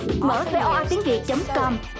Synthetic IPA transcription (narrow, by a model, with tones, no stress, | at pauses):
mə̰ː˧˩fe˧ʔaː˧t̪i˨˦əŋvḭ˨˩ək̚t͡ɕə˨˦wŋ͡mkɔ˧m